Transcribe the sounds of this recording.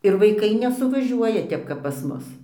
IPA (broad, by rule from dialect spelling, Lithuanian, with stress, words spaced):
ɪr ʋɐɪˈkɐɪ nʲɛsʊʋɐˈʒʲuɔjɛ ˈtʲɛp kɐp pɐs ˈmʊs